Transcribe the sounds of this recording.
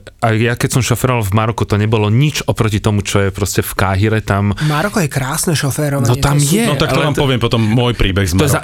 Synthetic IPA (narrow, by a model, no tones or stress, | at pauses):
ajjakɛcsɔmʃɔfɛɾɔʋalvmaɾɔkut̪ɔɲɛbɔlɔɲit͡ʃɔpɾɔcit̪ɔmut͡ʃɔjɛpɾɔscɛfkaɦiɾɛt̪ammaɾɔkɔjɛkɾaːsnɛʃɔfɛːɾɔanɔɛt̪amjɛnɔt̪aktt̪ɔʋaːmɔʋɪɛmpɔt̪ɔmːʊɔjpɾiːbɛɣzmɔjɛza